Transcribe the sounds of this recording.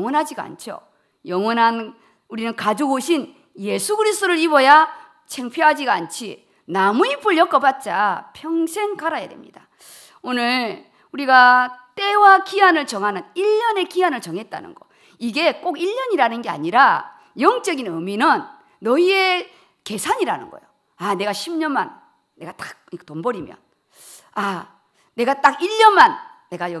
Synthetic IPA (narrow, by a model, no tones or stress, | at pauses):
ŋwʌnɦad͡ʑiɡa̰nt͡ɕʰjo̰ | jʌŋwʌnɦan | uɾinɯnkad͡ʑoɡoɕʰin | je̞sʰuɡɯɾisʰɯt͈oɾɯɾibʌja | t͡ɕʰeŋpʰjoɦad͡ʑiɡant͡ɕʰi | namuipʰɯɭjʌk͈ʌpat̚t͡ɕ͈a̰pʰjʌŋsʰe̞ŋkaɾaja̰de̞̰mɲḭda | onɯɭ | uɾiɡat͈e̞wakianɯɭt͡ɕʌŋɦanɯniʎːʌne̞kianɯɭt͡ɕʌŋɦe̞t̚t͈a̰nɯ̰nɡʌ̰ | iɡe̞k͈oɡiʎːʌɲiɾanɯnɡe̞a̰ɲiɾa | jʌŋt͡ɕ͈ʌɡinɯminɯnː | ʌie̞ | ke̞sʰaɲiɾanɯnɡʌ̰jo | ane̞ɡaɕʰimɲʌnmanː | e̞ɡat͈ḁk̚tombʌɾimjʌ̰n | a | ne̞ɡat͈aɡiʎːʌnmanːe̞ɡajʌ